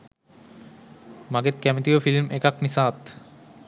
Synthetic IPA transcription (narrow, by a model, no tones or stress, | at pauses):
maɡet̪kæmet̪iofilmʔekaknisaːt̪